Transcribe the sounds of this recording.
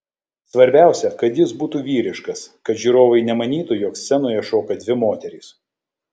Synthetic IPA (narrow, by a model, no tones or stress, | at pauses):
sʋɐɾʲbʲæˑʊsʲɛkɐt̪jɪsbuːt̪uːʋʲiːɾʲɪʃkɐskɐt̪ʒʲyɾoːʋɐɪnʲɛmɐnʲiːt̪ujoːksʲɛnoːjɛʃoːkɐd̪ʲʋʲɪmoːt̪ʲɛɾʲiːs